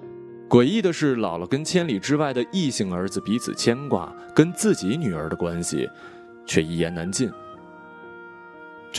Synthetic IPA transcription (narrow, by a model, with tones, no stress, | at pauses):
kwe˨˩ɪi˥˩d̪ə˩ʂɻ̩˥˩lɑ˨˩ʊlə˦kə˥nt͡ɕʰjɛ˥nli˨˩ʈ͡ʂɻ̩˥wa˥˩ɪd̪ə˩ʔi˥˧ɕi˥˩ŋə˞˧˥d͡zɹ̩˧pi˧˥t͡sʰɹ̩̰˨˩t͡ɕʰjɛ˥nkwa̰˥˩ | kə˥nt͡sɹ̩˥˩t͡ɕi˧˥ny˨˩ə˞˧˥d̪ə˧kwa˥nɕḭ˨ | t͡ɕʰɥɛ˥˧i˥˩jɛ˧˥na˧˥nt͡ɕi˥˩n